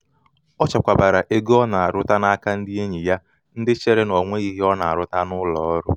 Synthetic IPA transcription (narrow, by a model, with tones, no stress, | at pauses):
ɔ˦t͡ʃa˨kʷa˨ba˨ɾa˨ʔe˦ɡɔ˦na˨a˨ɾʊ˦ta˦na˦ka˦n̩˦dɪ˦e˦ɲi˨ja˦ | n̩˦dɪ˦t͡ʃe˦ɾe˦no˨ŋʷe˦i˦ɦe˦ɔ˦na˨a˨ɾʊ˦ta˦nʊ˦lɔ˨ɔ˦ɾʊ˦